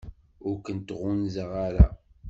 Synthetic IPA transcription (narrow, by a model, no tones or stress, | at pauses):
ʊɾkənt̪ʁʊnzəʁaɾa̰